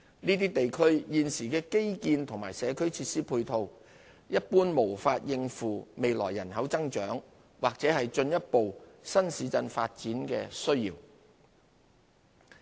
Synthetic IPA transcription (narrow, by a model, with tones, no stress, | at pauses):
niː˥t̪iː˥t̪e˨jkʰɵ˥ɥjiː˨nsiː˨˩kɛː˧ke˥jkiː˧nt̪ʰʊ˨˩ŋmaː˨˩jsɛː˨˧kʰɵ˨˥ɥt͡sʰiː˧t̚siː˥pʰuː˧jt̪ʰo˧w | jɐ˥t̚puː˥nmo˨˩wfaː˧t̚jɪ˧ŋfuː˨me˨jlɔ̰ː˨˩jːɐ˨˩nhɐ˨˥wt͡sɐ˥ŋt͡ʃœː˨˥ŋ | waː˨k̚t͡sɛː˨˧˥hɐ˨jt͡ʃɵ˧njɐ˥t̚po˨wsɐ˥nsiː˨˧t͡sɐ˧nfa̰ː˧t̚t͡siː˨˥nkɛ̰ː˧sɵ˥ɥjiː˨w